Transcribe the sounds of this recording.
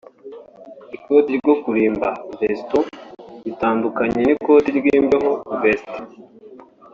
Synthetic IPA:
ikotiɾɡo̞kuɾiːmbavestuβitaːndukaɲeniko̞ːtiɾɡiːmbeɦo̞veste̥

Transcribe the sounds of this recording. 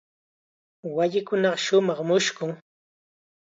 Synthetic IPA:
waʎɪkʊnɑɢɑʃʊmɑχmʊʃkʊŋ

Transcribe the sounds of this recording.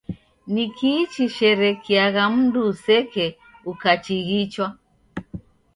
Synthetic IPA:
nikiːt͡ʃiʃɛɾɛkiaɣam̩dusɛkɛ | ukat͡ʃiɣit͡ʃwa

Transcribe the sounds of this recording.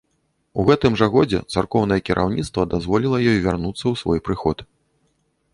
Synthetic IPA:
uɣɛt̪ɨmʐɐɣɔd͡zʲɛ̰t̪sarkɔwnɐjɛkʲiɾʔa̰wnʲit̪st̪vɐd̪azvɔlʲilˠɐjɔjvʲarnut̪sːɐwsvɔjpɾɨxɔt̪

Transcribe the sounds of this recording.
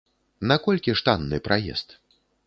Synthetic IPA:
nakɔlʲkʲiʂt̪anːɨpɾʔajɛ̰st̪

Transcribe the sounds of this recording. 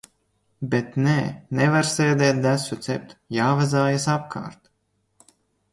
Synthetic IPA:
bʲet̪nɛːnɛvaɾseːd̪ɛːt̪̚d̪æsut̪sɛp̚t̪jaːvazaːjasapkʰa̰ːɾt̪

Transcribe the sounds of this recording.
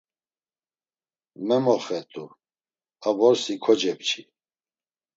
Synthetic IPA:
mɛmɔχɛt̪ʼu | abɔɾsikʰɔd͡ʒɛp̚t͡ʃʰi

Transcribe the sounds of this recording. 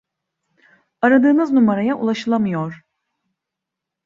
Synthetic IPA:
aɾad̪ɯːnɯznumaɾajaʔṵlˠaʃɯlˠamɯjoɾ̥

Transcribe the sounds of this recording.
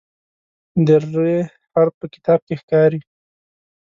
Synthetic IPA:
d̪əɾe | aɾpəkɪ̥t̪ɑb̚kexkɑɾi

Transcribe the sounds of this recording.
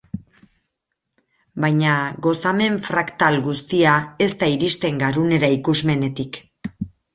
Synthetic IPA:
bajɲaɡo̞same̞ɱfɾakt̪alɡust̪iae̞st̪aiɾist̪e̞ŋɡaɾune̞ɾaikuzme̞ne̞t̪ik

